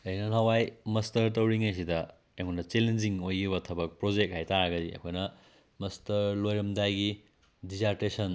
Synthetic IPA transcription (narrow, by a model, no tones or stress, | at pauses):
ɐjnɐnɐwajmɐstɐɾt̬ɐwɾiŋɐjs̬idɐ | eŋunɐt͡ʃelend͡ʒiŋojiβɐtʰɐbɐk̚pɾod͡ʒek̚hajtaɾɐɡɐdiɐ̰kʰojnɐ | mɐstɐɾlojɾɐmdajɡi | dizaɾtesɐn